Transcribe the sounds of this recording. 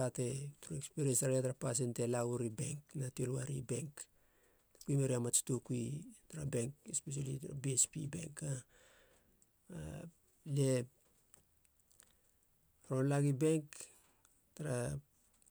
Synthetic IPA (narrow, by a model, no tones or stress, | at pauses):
ate̞tuɾoekspiɾiensaɾataɾapas̬entelauɾibe̞ŋknatiolwaɾḭbe̞ŋk | tḁkuimeɾiamat͡ʃtokuitaɾabe̞ŋkespes̬alitaɾa̰biespḭbe̞̰ŋka | le | ɾonlaɡibe̞ŋk | taɾa